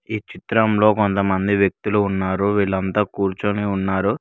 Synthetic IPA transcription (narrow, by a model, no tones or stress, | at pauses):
iːt͡ʃit̪ɾɐmlo̞ːkont̪ɐmɐnd̪iʋjɐk̚t̪uluːnːaːɾuʋiːɭɐnt̪aːkuːɾt͡ʃuniunːaːɾu